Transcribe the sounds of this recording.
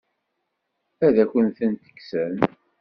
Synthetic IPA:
æðæçʷənθənt̪ə̥kːsən

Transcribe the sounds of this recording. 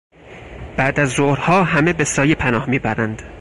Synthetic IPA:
b̥æʔd̪æzːoɾhɒːɦæme̞besɒːjepʰænɒːhmiːbæɾænd̪̥

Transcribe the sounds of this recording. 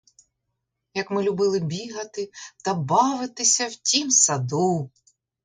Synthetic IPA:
jɐkmɪlʲʊbɪlˠɪbʲiɦɐt̪ɪt̪ɐbɑʋɪt̪ɪsʲɐwtʲimsɐd̪u

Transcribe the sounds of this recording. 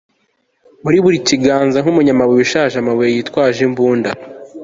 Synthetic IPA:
muɾiβuɾiciɡaːnzaŋ̥umuɲamaβeweʃaːʒamaβejejitkwaːʒembuːnda

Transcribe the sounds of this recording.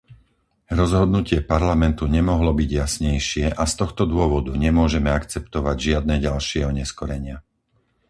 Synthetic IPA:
ɾɔzɦɔd̪nucɪɛpaɾlamɛnt̪uɲɛmɔɦlɔbiɟjasɲɛjʃɪɛʔast̪ɔxt̪ɔd̪ʊɔʋɔd̪uɲɛmʊɔʒɛmɛakt͡sɛpt̪ɔʋaɟʒɪad̪̚nɛːɟalʃɪɛɦɔɲɛskɔɾɛɲɪa

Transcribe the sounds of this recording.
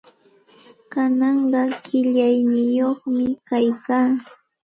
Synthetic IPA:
kanɑɴɢɑkɪʎajnɪjoχmɪkajkaː

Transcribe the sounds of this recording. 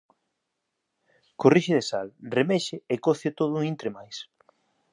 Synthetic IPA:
koriʃeðesalremeʃeekoθot̪oð̞ʊint̪ɾemajs

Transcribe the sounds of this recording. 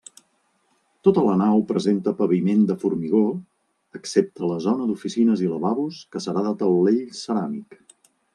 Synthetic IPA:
t̪ot̪ələnawpɾəzent̪əpəβimend̪əfuɾmiɣ̞o | əksep̚t̪ʰələzɔnəd̪ufisinəziləβaβuskəsəɾaðat̪əlˠlːeʎsəɾamik

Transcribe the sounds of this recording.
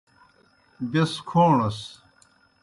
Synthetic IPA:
beskʰoːɳɐs

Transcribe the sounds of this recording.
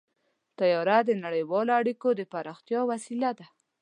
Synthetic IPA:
t̪ajɑɾad̪ənaɽəjwɑloaɽikod̪əpaɾɑxt̪jɑwasilad̪a

